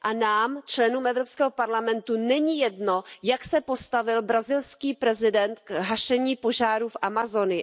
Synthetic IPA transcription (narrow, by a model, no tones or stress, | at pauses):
ʔanaːmt͡ʃlɛnuːmɛvɾopskɛːɦopaɾlamɛnt̪unɛɲijɛdno̞jaksɛpo̞st̪avɪlbɾazɪlskiːpɾɛzɪdɛnt̪kɦaʃɛɲiːpo̞ʒaːɾuːfʔamazo̞nɪ